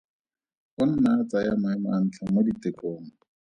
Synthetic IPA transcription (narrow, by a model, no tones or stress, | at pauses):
ʊn̩nat͡sajamʊɛmʊan̩t͡ɬʰamoditɪkʼoːŋ̩